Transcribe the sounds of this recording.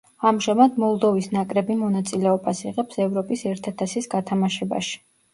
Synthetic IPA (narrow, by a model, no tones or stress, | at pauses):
amʒamad̪mɔlˠd̪ɔvisnakʼɾɛbimɔnat̪sʼilɛɔbasiʁɛpsɛvɾɔpʼisɛɾt̪ʰat̪ʰasisɡat̪ʰamaʃɛba̰ʃi̥